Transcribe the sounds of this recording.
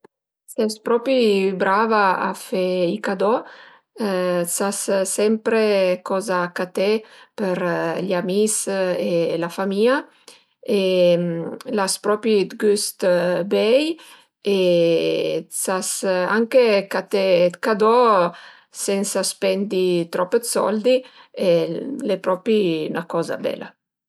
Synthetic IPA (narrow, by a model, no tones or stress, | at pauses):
sɛspɾɔpibɾavaa̰fɛikad̪ɔ | sassɛmpɾekɔzaːkat̪epəɾʎamiselafamia | e | laspɾɔpid̪ɡyst̪bɛj | e | sasaŋkekat̪ekad̪ɔ | sɛnsaspɛnd̪it̪ɾɔpːed̪sɔ̰ld̪ielepɾɔpḭnakɔːza̰bɛ̰la̰